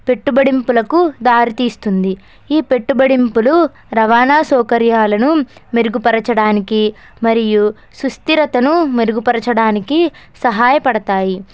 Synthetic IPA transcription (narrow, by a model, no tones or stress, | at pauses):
pe̞ʈːubɐɽimpulɐkud̪aːɾit̪iːst̪und̪i | iːpe̞ʈːubɐɽimpulu | ɾɐʋaːnaːsɔːkɐɾjaːlɐnumeɾuɡupɐɾɐt͡ʃɐɽaːniki | mɐɾiju | sust̪iɾɐt̪ɐnumeɾuɡupɐɾɐt͡ʃɐɽaːniki | sɐɦaːjɐpɐɽɐt̪aːji